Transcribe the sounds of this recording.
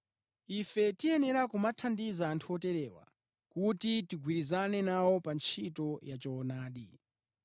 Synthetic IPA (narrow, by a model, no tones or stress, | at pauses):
ifɛtiɛnɛɾakumatʰandizaːntʰuɔtɛɾɛwa̰ | kutitiɡwiɾizanɛnawɔpant͡ʃʰitɔjat͡ʃɔːnaːɗi